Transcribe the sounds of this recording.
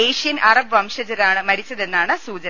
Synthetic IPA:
eːʂijɐnʔɐrɐbʋɐmʂɐd͡ʑɐɾaːɳɨmɐɽit͡ɕːɐðe̞nːaːɳɨsuːd͡ʑɐn

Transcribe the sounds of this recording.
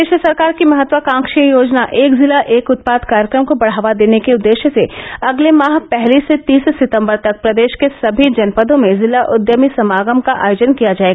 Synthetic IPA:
eːʃəsɐɾkaːɾkimɐɦət̪ːʋəkãːŋkʃijə̃joːd͡ʒnaʔeːkzɪlaʔeːkʊt̪̚paːd̪kaːɾjəkɾəmkobɐɽ̤aːʋad̪eːnekeʊd̪ːeːʃəseɐɡlemaːɦpɛɦliset̪iːssɪt̪ə̃mbəɾt̪ɐk̚pɾɐd̪eːʃkesɐbʱid͡ʒɐnpəd̪õmẽzɪlaʔʊd̪jəmisɐmaːɡəmkaʔa̰ːjoːd͡ʒənkijad͡ʒaːeɡaa

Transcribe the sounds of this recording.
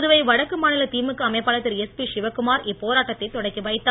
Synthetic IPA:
ðɯʋɐɪʋɐɽɐkːɯmaːnɪlɐt̪iːmɯkːɯɐmɐɪpːaːlɐt̪ːɪɾɛspiʂɪʋɐkːɯmaːɾɪpːoːɾaːʈːɐt̪ːɐɪt̪ːɔɽɐɪkːɯʋɐɪt̪ːaː

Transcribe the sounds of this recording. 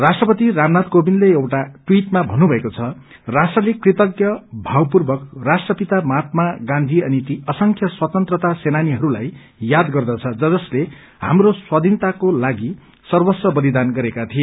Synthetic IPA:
rasʈrʌpʌt̪iramnat̪kobinleewʈaʈwiʈmabʱʌnːubʱʌekot͡sʰʌ | rasʈrʌlekrit̪ʌɡjʌbʱawpurbʌkrasʈrʌpit̪amat̪̚maɡãnd̪ʱiʌnit̪iʌsʌŋkʰjʌswʌt̪ʌnt̪rʌt̪asenaniɦʌɾulaj | jad̪ɡʌrd̪ʌt͡sʰʌd͡zʌd͡zʌsle | ɦa̰mroswad̪ʱint̪akolaɡi | sʌrbʌsʌbʌlid̪anɡʌɾekat̪ʰie

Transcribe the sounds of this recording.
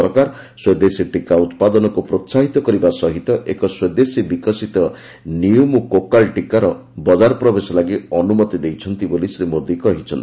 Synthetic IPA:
ɔɾkaɾ | swed̪esiʈikaut̪pad̪ɔnɔkupɾotːsaɦit̪ɔkɔɾibasɔɦit̪ɔʔekɔswed̪esibikɔsit̪ɔ | niumukokalʈikaɾɔ | bɔd͡ʒaɾɔpɾɔbesɔlaɡiɔnumɔt̪id̪ejt͡ʃʰɔnt̪ibolisɾimod̪ikɔɦit͡ʃʰɔnt̪i

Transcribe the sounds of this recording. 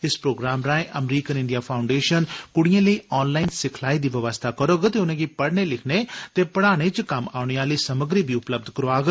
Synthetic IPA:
ɪspɾoːɡɾaːmɾãːẽʔəmɾiːkənɪɳɖiaːpʰaːʊ̃ɳɖeːʃənkʊɽijãːləiːɔːnlaːinsɪkʰlaːiːd̪iːʋəʋəst̪ʰaːkəɾoːɡt̪eːʊnẽːɡiːpəɽɳeːlɪkʰnet̪eːpəɽaːɽ̃eːt͡ʃəkəma̰ːʊɳeaːliːsəməɡɾiːbʱiːʊpləb̚d̪ʱkəɾoaːɡ

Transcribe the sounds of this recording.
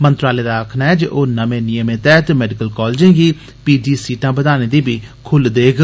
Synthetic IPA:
mənt̪ɾaːleːd̪aːəkʰnaːɛːd͡ʒeʔoːnəmẽːnɪjəmeːt̪ɛːt̪emɛːɖɪkəlkɔːld͡ʒẽːɡiː | piːd͡ʒiːsiːʈãːbəd̪aːnẽːd̪iːbiːkʰʊld̪eːɡ

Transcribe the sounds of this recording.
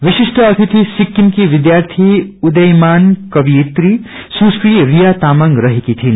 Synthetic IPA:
ʋiʃiʃʈəɐt̪ʰit̪ʰisikːimkiʋid̪jaːɾt̪ʰiud̪ɐjmaːnkɐʋiet̪ɾi | suskɾiɾijat̪aːmɐŋɡɾɐɦikit̪ʰin

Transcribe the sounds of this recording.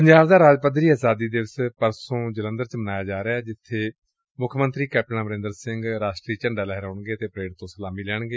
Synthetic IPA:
pəɲd͡ʒaːbd̪aːɾaːd͡ʒpəd̪ɾiːaːzaːd̪iːd̪eʋəspəɾsõːd͡ʒələnd̪əɾt͡ʃbənaːjaːd͡ʒaːɾeaːd͡ʒɪt̪ʰːeː | mʊkʰmənt̪ɾiːkɛːp̚ʈənãːməɾɪ̃nd̪əɾsɪŋɡɾaːʃʈɾiːt͡ʃəɳɖaːlɛːɦəɾoːɳɡeːt̪eːpɾeːɽɪt̪ːõːsəlaːmiːlɛːɳɡeː

